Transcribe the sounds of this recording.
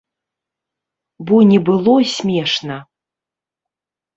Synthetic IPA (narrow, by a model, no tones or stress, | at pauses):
bɔnʲɛbɨlˠɔsʲmʲɛʂnɐ